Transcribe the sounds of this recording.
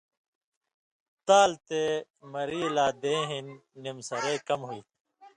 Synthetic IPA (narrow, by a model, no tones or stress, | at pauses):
t̪aːlt̪e | mɐɾiːlaːd̪ẽːɦinːimsɐɾeːkɐmɦuiː